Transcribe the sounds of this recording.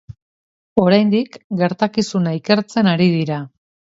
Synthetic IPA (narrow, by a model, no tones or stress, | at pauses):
o̞ɾajnd̪ikɡe̞ɾt̪akisunaike̞ɾt͡se̞naɾiðiɾa